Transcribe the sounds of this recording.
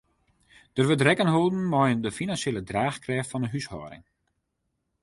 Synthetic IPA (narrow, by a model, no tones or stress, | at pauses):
d̥ərʋətrɛkənɦolˠdn̩mɔjəndəfinanseːlədraːxkrɛːxtfɔndəɦyshɔ̰ːɾɪ̰ŋ